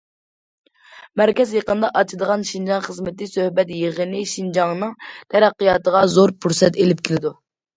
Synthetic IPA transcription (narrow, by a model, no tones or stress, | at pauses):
mæɾkʲɛzjeqənəd̪ɑʔɑt͡ʃʰid̪əʁɑnʃind͡ʒɑŋχəzmɪt̪ɪsøhbɛt̪jeʁənɨʃind͡ʒɑŋnɨŋt̪ʰɛɾɛqːijɑːt̪əʁɑzoɾpʰuɾsɛt̪elɪp̚kʲʰilɪd̪u